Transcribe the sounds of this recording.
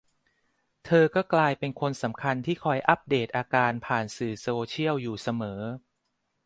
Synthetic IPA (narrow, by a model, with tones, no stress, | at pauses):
t̪ʰɤː˧kɔː˥˩klaː˧jpe˧nkʰo˧nsa˩˦mkʰa˧nt̪ʰiː˥˩kʰɔ˧˩jʔa˦˥p̚deː˨˩t̪̚ʔaː˧kaː˧npʰaː˨˩nsɯː˨˩soː˧t͡ɕʰi˥˩əwjuː˨˩sa˧mɤː˩˦